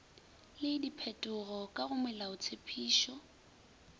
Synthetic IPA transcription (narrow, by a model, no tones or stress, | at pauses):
lɪdipʰɛtʼʊɣɔkʼaɣʊmɛlaʊt͡sʰepʰiːʃɔ